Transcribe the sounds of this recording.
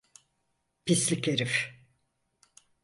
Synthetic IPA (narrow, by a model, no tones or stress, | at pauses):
pʰislʲikeɾif